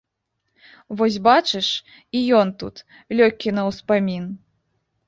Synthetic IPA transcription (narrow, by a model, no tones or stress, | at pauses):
vɔs̬ʲbat͡ʂɨʂ | ijɔnt̪ṵt̪ | lʲɔkʲːinɐwspamʲin